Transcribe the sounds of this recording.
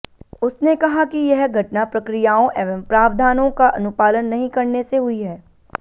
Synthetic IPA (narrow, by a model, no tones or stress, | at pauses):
ʊsnekɐɦakijɐɦɡʱɐʈnapɾɐkɾijaːõʔɛːʋəmpɾaːʋd̪ʱaːnõkaʔɐnʊpaːlənːɐɦĩkɐɾneseɦʊiɦɛː